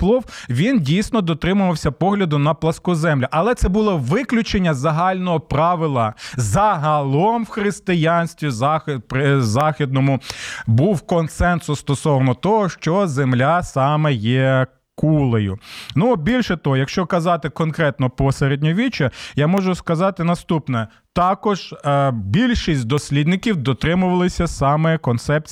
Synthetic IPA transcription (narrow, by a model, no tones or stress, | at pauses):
plˠɔwʋʲindʲijsʲnɔd̪ɔt̪ɾɪmʊʋɐwsʲɐpɔɦlʲɐd̪ʊnɐplˠɐskʊzɛmlʲɐʔɐlˠɛt̪sɛbʊlˠɔʋɪklʲʊt͡ʃenʲːɐzɐɦɑlʲnɔɦɔpɾɑʋɪlˠɐzɐɦɐlˠɔmwxɾɪst̪ɪjɑnʲsʲt̪ʲʋʲizɑpɾɪzɑxʲid̪̚nɔmʊbuwkɔnsɛnsʊst̪ɔsɔʋnɔt̪ɔɦɔʃt͡ʃɔzemlʲasɑmɛjɛ | kulˠejʊnʊɔbʲilʲʃɛt̪ɔɦɔjɐkʃt͡ʃɔkɐzɑt̪ɪkɔnkɾɛt̪nɔpɔseɾed̪ʲnʲɔʋʲit͡ʃɐjamɔʒʊskɐzɑt̪ɪnɐst̪upnɛ | t̪ɑkɔʒbʲilʲʃisʲtʲd̪ɔsʲlʲid̪nɪkʲiwd̪ɔt̪ɾɪmʊʋɐlˠɪsʲɐsɑmɛkɔnt̪sɛp̚t͡sʲ